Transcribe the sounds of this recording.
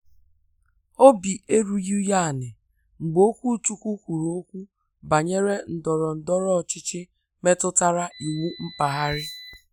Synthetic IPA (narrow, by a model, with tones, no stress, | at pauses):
o˦bi˨e˦ɾu˨ju˦ja˦˨nɪ˨ | ŋ͡m̩˨ɡ͡bo˦kʷu˦˨tu˦kʷu˦kʷu˨ɾo˦o˦kʷu˦ | ba˨ɲe˦ɾe˦n̩˨dɔ˨ɾɔ˨n̩˨dɔ˦ɾɔ˦˨t͡ʃɪ˦t͡ʃɪ˦ | me˦tʊ˦ta˦ɾa˦ʔi˨ŋu˦m̩˦pa˨ɦa˦ɾɪ˦